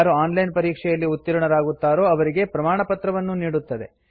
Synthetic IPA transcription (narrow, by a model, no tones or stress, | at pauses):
aːɾuaːnlɐjnpɐɾiːkʂɛjɐlːiut̪ːiɾɐɳɐɾaːɡut̪ːaːɾo̞ːɐʋɐɾiɡe̞pɾɐmaːɳɐpɐt̪ɾɐʋɐnːuniːɽut̪ːɐd̪e̞̰